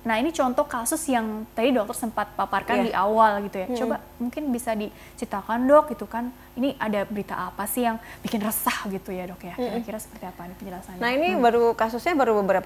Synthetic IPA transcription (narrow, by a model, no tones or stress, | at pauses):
nahinit͡ʃɔnt̪ɔhkasʊsjaŋt̪adidɔk̚t̪ɔrsəmpat̪̚paparkandiʔawalɡit̪ujat͡ʃoba | muŋkɪnbisadi | t͡ʃɾit̪akandɔk̚ɡit̪ukan | iniʔadabəɾit̪a̰ʔapasɪhjaŋbikɪnrəsahɡit̪ujadɔkjakiɾakiɾasə̥pərt̪iapanipəɲd͡ʒəlasannainibaɾukasʊsɲabaɾubəbəɾapa